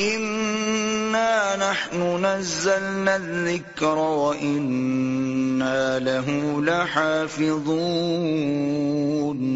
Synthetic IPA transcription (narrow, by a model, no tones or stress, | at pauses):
ʔɪnː | aːnaħnʊnazːalnaðːɪkɾawaʔɪnː | aːlaɦulaħaːfɪðˤuː | n